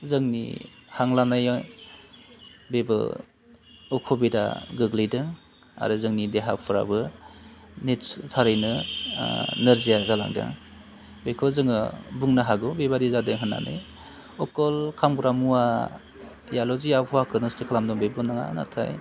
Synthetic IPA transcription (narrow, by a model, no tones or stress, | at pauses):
zɯŋnḭhaŋlanaj | bebɯ̰ | ɔkʰɔbida̰ɡɯɡlɯjdɯŋ | a̰ɾɯzɯŋnideɦapʰɯɾa̰bɯ | nittʰaɾɯjnɯ | nɯɾzijazala̰ŋdɯ̰ | bekʰɯzɯŋɯbuŋnaɦaɡɯbebaɾizadɯŋɦɯnːa̰nɯ̰j | ɔkɔlkʰamɡɾamuwa | jalɔziapʰɔakʰɯnɯstʰikʰalamdɔŋbebɯnaŋa̰na̰tʰa̰j